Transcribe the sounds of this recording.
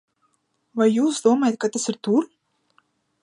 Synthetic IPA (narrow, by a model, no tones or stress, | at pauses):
vajːuːsd̪uɔmajat̪̚kat̪asɨɾt̪uɾ